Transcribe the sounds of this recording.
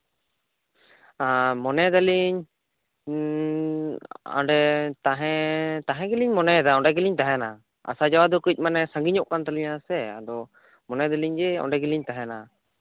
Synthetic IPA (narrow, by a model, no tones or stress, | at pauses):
amɔnɛd̪aliɲ | ɔ̰ɖɛt̪aɦɛ̃t̪aɦɛ̃ɡɛliɲmɔnɛd̪aɔɖɛɡiliɲt̪aɦɛna | a̰sad͡ʒawad̪ɔkuc̚ˀmanɛsãŋɡiɲɔʔkant̪aliɲasɛa̰d̪ɔ | mɔnɛd̪aliɲd͡ʒɛɔ̰ɳɖɛɡiliɲt̪aɦɛna